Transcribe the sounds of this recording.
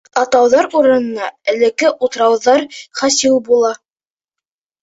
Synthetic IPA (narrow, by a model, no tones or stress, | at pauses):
ɑt̪ɑwðɑɾuɾɤ̆nɤ̆nɑɘ̆lɘ̆kːɘʔut̪̆ɾɑwðɑɾχɑsilˠbulˠɑ